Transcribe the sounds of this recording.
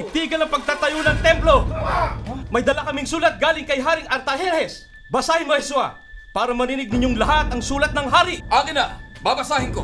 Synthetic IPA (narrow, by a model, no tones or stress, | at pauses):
t̪iːɡɐlɐŋpɐɡ̚t̪aːt̪ɐjonɐŋt̪ɛmplo̞ | mɐjd̪ɐlakɐmɪŋsuːlɐt̪̚ɡaːlɪŋkɐjɦaːɾɪŋʔɐɾt̪ɐhɛnhɛs | bɐsaːhɪnmohɛsua | paːɾɐmɐnɪnɪɡ̚nɪɲoŋlɐɦat̪ɐŋsuːlɐt̪̚nɐŋɦaːɾɪʔaːɡɪna | baːbɐsaːhɪŋko